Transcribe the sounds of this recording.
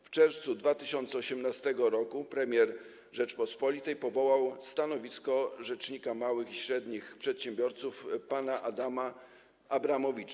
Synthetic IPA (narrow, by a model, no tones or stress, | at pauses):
ft͡ʂɛɾft̪sud̪vat̪ɘɕɔnt̪sɛɔɕɛmnast̪ɛɡɔɾɔkupɾɛmʲjɛɾ | ʐɛt͡ʂpɔspɔlʲit̪ɛjpɔvɔwawst̪anɔvʲiskɔʐɛt͡ʂɲikamawɘxiɕɾɛd̪ɲixpʂɛt̪ɕɛmbʲjɔɾt̪sufpanaʔad̪ama | ʔabɾamɔvʲit͡ʂa